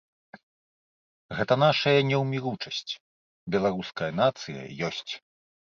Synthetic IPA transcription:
ɣɛt̪ɐnaʂɐjɐnʲɛwmʲiɾut͡ʂɐsʲt͡sʲ | bʲɛlˠaɾuskɐjɐn̪at̪sɨjɐ̰jɔsʲt͡sʲ

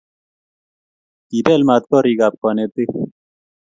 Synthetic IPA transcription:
t̪iːpeːlmaːt̪̚koɾiːɡaːp̚konet̪i

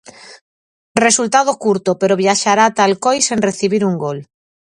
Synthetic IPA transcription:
result̪aðokuɾt̪opeɾoβjaʃaɾat̪alkojsenreθiβ̞iɾuŋɡol

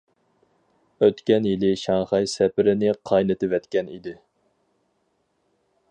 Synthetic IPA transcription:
øt̪kʲɛnjilɪʃɑŋχɑjsɛpɪɾɪnɪqʰɑjnɨt̪ɪvɛt̪kʲɛnḭd̪ɪ

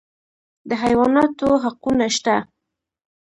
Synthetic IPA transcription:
d̪əɦajwɑnɑt̪oɦaqunaʃt̪a

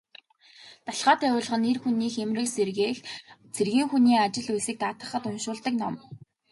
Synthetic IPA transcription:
t̪aɬʁaːt̪ʰæʊːɮ̆ʁə̆nerxuniːxemrɘ̆kserɣeːxt͡sʰerɣiːŋxuniːat͡ɕɪ̆ɮujsĭːk̚t̪aːt̪ə̆χə̆t̪ʊnʃʊːɮt̪ə̆knɔm

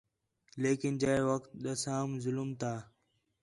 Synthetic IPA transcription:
leːkɪnd͡ʑəeʋəkt̪̚ɗəsaːmzʊlmt̪ʰaː

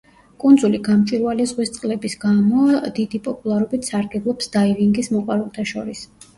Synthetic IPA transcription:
kʼund̪zuliɡamt͡ʃʼiɾvalɛzʁwist̪sʼqʼlɛbisɡamɔd̪id̪ipʼɔpʼulˠaɾɔbit̪ʰsaɾɡɛblˠɔpsd̪aiviŋɡismɔqʼwaɾɛlˠt̪ʰaʃɔɾis

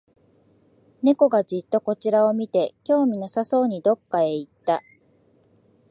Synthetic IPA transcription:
ne̞ko̞ɡad͡ʑit̪ːo̞ko̞t͡ɕiɾao̞mʲit̪e̞kʲo̞ːmʲinasaso̞ːɲ̟id̪o̞kːae̞it̪ːa

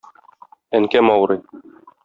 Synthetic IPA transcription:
æŋkæmɒwɾɤ

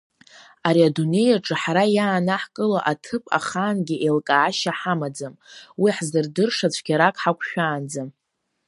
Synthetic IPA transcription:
aɾiadune̞jaʈ͡ʂʼɨħaɾajaːnaħkʼɨlaʔatʰɨpʼa̰χaːnɡʲiʔelkʼaːʃaħamad͡zamwiħzɨrdɨrʂat͡ɕʷʰɡʲaɾakʼħakʷʰʃᶣaːnd͡zam

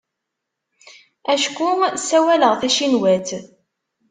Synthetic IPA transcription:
æʃkusːæwæləʁθæʃinwæt̪

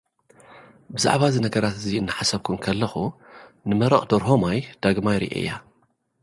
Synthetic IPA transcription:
bɨza̰ʕβazinɐɡɐɾat̪ɨziɨnːɨħasɐβkʰumkʰɐlːɐxunɨmɐɾɐχʼd̪oɾɦo̞majd̪̥aɡmajɾḭʔḛjːa

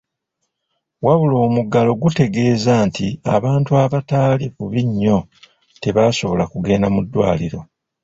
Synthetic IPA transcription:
waβulo̞ːmuɡalo̞ɡute̞ɡe̞ːzaːntia̰βaːntuaβataːlifuβiɲːo̞ | te̞βaːso̞βo̞lakuɡe̞ːnamudːwa̰ːliɾo̞

